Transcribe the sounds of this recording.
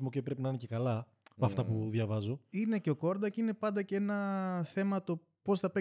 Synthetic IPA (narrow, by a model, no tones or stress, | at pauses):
mocepɾe̞pinɐinece̞kɐlɐ | pɐft̪ɐpuðʝɐvɐzo̞ine̞ce̞o̞ko̞ɾd̪ɐceine̞pɐnd̪ɐceenɐθe̞mɐt̪o̞ | po̞sθɐpe